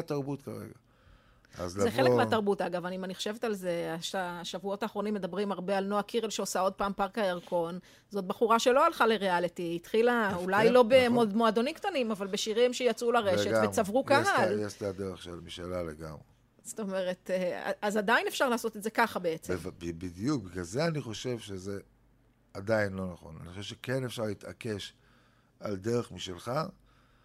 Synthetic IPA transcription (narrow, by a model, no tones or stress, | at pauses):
t̪aʁbutka̰ʁḛɡa | a̰zleeekmeataʁbutaɡavanimaniχo̥ʃevetalze̞aʃaʃavuo̞taːχʁo̞nimːed̪abʁimaʁbealnoakʰiʁelʃeosao̞d̚paːmpaʁkajaʁkʰo̞n | zo̞t̚baχuʁaʃe̞lo̞alχale̞ʁealitiːtχilaulajlo̞be̞modmoado̞nimktanimavalbeʃiʁimʃejat͡sulaʁeʃetvet͡savʁukaɦaleʃtaad̪eʁeχʃelmiʃalalḛɡa̰mʁe | zo̥t̪o̞me̞ʁe̞tea̰azadaine̞fʃaʁlaːso̞tetzekaχabe̞et͡semvbibid̪ijuk̚biɡalzeaniχo̞ʃe̞vʃeze | adainlo̞naχo̞̰na̰niχoʃevʃekenefʃaʁlit̪a̰ke̞ʃ | aldeʁeχmiʃelχa